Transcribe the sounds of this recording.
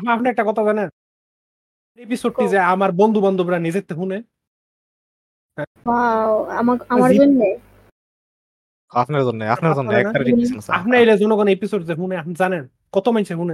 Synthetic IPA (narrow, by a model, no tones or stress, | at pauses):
bapniɛk̚ʈakɔt̪ʰazanen | ap̚neepisoɖ̚ʈizeamaɾbɔnd̪ʱubɔnd̪ubeɾanid͡ʑet̪ːeɦune | ɦɛ̃wawamaamaɾzonːe | apnaɾzonːeapʰnaɾzoneɛkneaɾaiinasa̰apneejled͡ʑɔnoɡɔnepisoɖzeɦuneapnizanen | kɔt̪omajt͡ɕʰeɦune